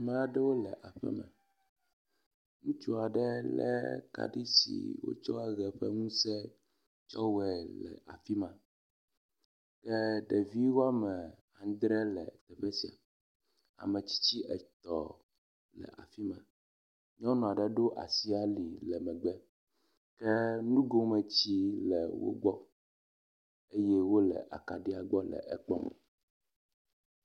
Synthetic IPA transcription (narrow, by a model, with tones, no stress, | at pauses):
mã˦a˦ɖɛ˦wo˦lɛ˨ʔa˨ɸɛ̰˦mɛ̰̃˨ | ŋũ˨t͡ʃu˦a˨ɖɛ˦lɛ̰˦ka̰˦ɖi˦sḭ˨wo̰˦t͡ʃɔ˦a˦ɣɛ˨ɸɛ˦ŋũ˦sɛ˦ | t͡ʃɔ˦wɛ˨lɛ̰˨ʔa̰˨fi˦mã˨ | kɛ˦ɖɛ˨vi˦wo˦a˦mɛ˨ | ã˨ŋ˦d̪ɾɛ˦lɛ˨t̪ɛ˨ɸɛ˦si˨a̰˨ | a̰˨mɛ̃˨t͡ɕi̥˦t͡ɕi˦ʔɛ˨t̪ɔ˨ | lɛ̰˨ʔa̰˨fi˦mã˨ | ɲɔ̃˦nɔ̃˨a˨ɖɛ˦ɖo˦ʔa̰˨si˦a˦li˨lɛ˨mɛ̃˨ɡ͡bɛ˦ | kɛ˦nũ˦ɡo˦mɛ̃˨t͡ɕi˦lɛ˨wo̰˦ɡ͡bɔ˦ | e˦jɛ˦wo˦lɛ̰˨ʔa̰˨ka˨ɖi˦a˨ɡ͡bɔ˦lɛ̰˨ʔɛ˨k͡pɔ̰˦˨